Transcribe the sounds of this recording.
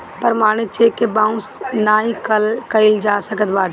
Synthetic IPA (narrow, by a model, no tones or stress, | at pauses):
pəɾmaːɽ̃et͡ʃeːkːebãːʊ̃snaːĩkkəɪld͡ʒaːsəkət̪baːʈ